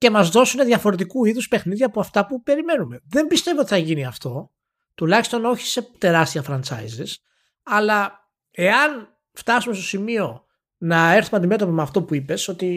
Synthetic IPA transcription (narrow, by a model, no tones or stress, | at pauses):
ce̞mɐzðo̞suneðʝɐfo̞ɾe̞t̪̬ikuiðuspexniðʝɐːpoɐft̪ɐpupe̞ɾime̞nume̞ðe̞mbist̪e̞voot̪iθɐʝiniɐft̪o̞ | t̪ulɐçist̪o̞no̞çi̥se̞t̪e̞ɾɐst̪iɐfɾɐnt͡sɐ̰izis | ɐlɐ | e̞ɐn | ft̪ɐsumest̪o̞simio̞ | nɐe̞ɾθumeɐnd̪ime̞t̪o̞pomeɐft̪o̞puipe̞so̞t̪i